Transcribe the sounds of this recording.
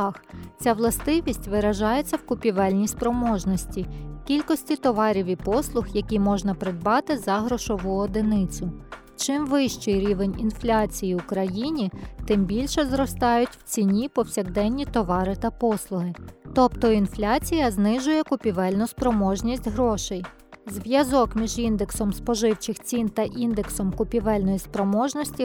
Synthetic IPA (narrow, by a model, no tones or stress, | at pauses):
xt͡sʲaʋlˠɐst̪ɪʋʲisʲtʲʋɪɾɐʒɑjet͡sʲːɐwkʊpʲiʋɛlʲnʲispɾɔmɔʒnɔsʲtʲikʲilʲkɔsʲtʲit̪ɔʋɑɾʲiʋʲipɔslˠʊxjɐkʲimɔʒnɐpɾed̪̚bɑt̪ɪzɐɦɾɔʃɔʋuɔd̪enɪt͡sʲʊ | t͡ʃɪmʋɪʃt͡ʃɪjɾʲiʋenʲinflʲat͡sʲijiʊkɾɐjinʲit̪ɪmbʲilʲʃɛzɾɔst̪ɑjʊtʲw̥t͡sʲinʲipɔwsʲɐɣd̪ɛnʲːit̪ɔʋɑɾɪt̪ɐpɔslˠʊɦɪt̪ɔpt̪ɔinflʲat͡sʲijɐznɪʒʊjɛkʊpʲiʋɛlʲnʊspɾɔmɔʒnʲisʲtʲɦɾɔʃɛj | zʋjɐzɔkmʲiʒind̪eksɔmspɔʒɪwt͡ʃɪxt͡sʲint̪ɐʔind̪eksɔmkʊpʲiʋɛlʲnɔjispɾɔmɔʒnɔsʲtʲi